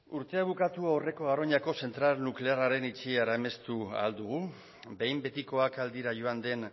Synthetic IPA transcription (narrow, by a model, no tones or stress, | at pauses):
uɾt̪e̞aβ̞ukat̪uawre̞ko̞ɣaro̞ɲako̞se̞nt̪ɾalnukle̞araɾe̞nit͡ʃiaɾaeme̞st̪ua̰ld̪uɣ̞u | be̞jmbe̞t̪iko̞akald̪iɾaʝo̞and̪e̞n